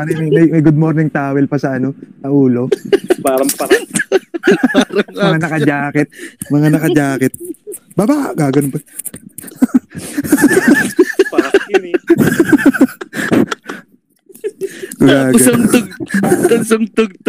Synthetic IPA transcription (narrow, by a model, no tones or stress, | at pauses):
njmɐjmɐjmɐjɡʊd̪̚moɾnɪŋt̪aːwɛlpɐsɐʔɐno̞nɐʔuːlo̞paːɾɐŋpɐɾa | ɾɐmɐŋanɐkɐd͡ʒaːkɛt̪̚mɐŋanɐkɐd͡ʒaːkɛt̪̚ | babaɡaːɡɐnonpɐ | paɾɐ | koɡaːɡɐɐŋt̪ʊɡ̪̚ʊsɐŋt̪ʊɡ̚t̪